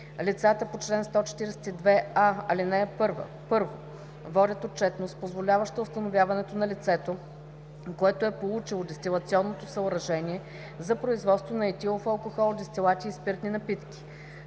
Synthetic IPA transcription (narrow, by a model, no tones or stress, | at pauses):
lit̪sat̪əpot͡ʃlɛnst̪ɔt͡ʃɛ̥t̪iɾɛsɛ̥t̪id̪vɛaɐlinɛpɤɾvə̰ | pɤɾvo̰ | vɔdʲət̪ot̚t͡ʃɛt̪nost̪pozvolʲavəʃt̪əʊst̪ɐnovʲjavɐnɛt̪onɐlit̪sɛt̪o | koɛt̪oɛpolˠut͡ʃilˠod̪ɛst̪ʲilˠɐt̪siɔnːot̪osɐʊɾɐʒɛnʲiɛ | zɐpɾoizvɔt̪st̪vonɐɛt̪ʲilˠofɐlˠkoxɔlˠd̪ɛst̪ʲilˠat̪ʲiːspiɾt̪ninɐpit̪kʲi̥